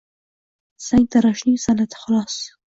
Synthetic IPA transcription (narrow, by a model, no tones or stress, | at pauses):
saŋɡ̚t̪aɾɑʃnisanat̪ḁxʊlɑs